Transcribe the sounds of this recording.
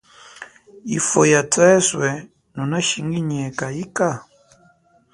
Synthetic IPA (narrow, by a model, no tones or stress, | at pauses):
ifɔjatɛswɛ | nɔnaʃiŋɡiɲɛkaika